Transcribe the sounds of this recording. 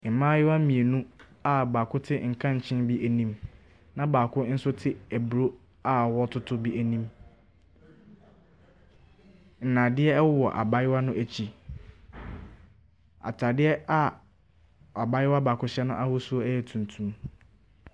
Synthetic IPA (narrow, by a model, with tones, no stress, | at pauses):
m̩˨mã˦jɪ˦wa˦mĩ˨e˨nũ˦ | a˨baː˨kʰʊ˦tʰɪ˦ŋ̩˨kʰã˦˨ɲ̩˨t͡ɕʰɪ̃˦nbi˦ʔæ˨nĩ˦m | nã˦baː˨kʰʊ˦n̩˦sʊ˦tʰɪ˦æ˨bu˨ɾo˦ | a˦˨wɔ˦tʰʊ˦tʰʊ˦bi˦æ˨nĩ˦m | n̩˨nã˨dɪ˦ɛ˦ɛ˦wʊ˦wɔ̰˨ʔa̰˨ba˦jɪ˦wa˦nʊ̃˦ʔæ˨t͡ɕʰi˨ | a̰˨tʰa˨dɪ˦ɛ˦a˦ | a˨ba˦jɪ˦wa˦baː˨kʰʊ˦ɕɛ˦nʊ̃˦ʔa˦hʊ˦su˦o˦æ˦jɛ˨tʰũ˨ntʰũ˨m